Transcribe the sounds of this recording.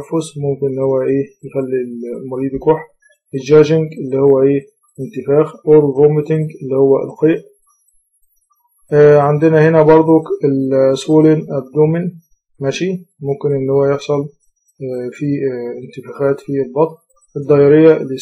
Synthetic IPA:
fʊzmʊmkɪnʔɪnːhowːæʔeːjɪxælːilmʊɾiːd̪jkuːħ | ʔɪd͡ʒæːʒɪŋɡʔɪlːihʊwːæʔeː | ɪnt̪ɪfæːxʔovomɪt̪ɪŋɡɪlːihowːæ̰lqeːʔ | ʕand̪ɪnæhɪnæbɑɾˤd̪ˤokɪlswuːlenʔæb̚d̪uːmɪn | mæʃi | mʊmkɪnʔɪnːhowːæjeħsˤɑl | fiɪnt̪ɪfæːxæːt̪filbɑt̪ˤl | ʔɪd̪ˤːɑjɑɾɪjːæʔɪlːi

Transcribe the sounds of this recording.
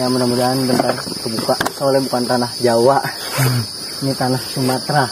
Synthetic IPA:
jamənamudaɦand̪ənt̪arkəbukaʔsolɛbukant̪anahd͡ʒawaʔ | nit̪anahsumat̪ɾa

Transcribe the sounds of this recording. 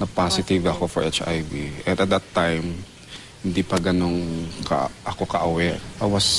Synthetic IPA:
nɐpasɪt̪ɪvɐko̞fɔɹʔɛt͡ʃa̰jviʔɛ̃nd̪ɐt̪̚d̪ɐt̪ːajm | hɪnd̪ipɐɡɐno̞ŋkɐ̰ʔɐko̞kɐʔɐwɛɹʔawɐs

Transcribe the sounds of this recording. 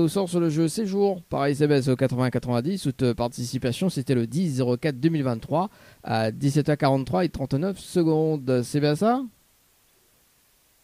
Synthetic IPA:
osɔʁsyʁləʒøsɛʒuːʁpa̰ʁaizabɛsokat̪χəvɛ̃kat̪χəvɛ̃d̪isut̪paʁt̪isipasjɔ̃set̪ɛləd̪iszeʁokat̪̚d̪əmilvɛ̃t̪ːχwa | a̰d̪isɛt̪œʁkaʁɑ̃t̪ːχwaet̪χɑ̃t̪nœfsəɡɔ̃d̪sɛbjɛ̃sa

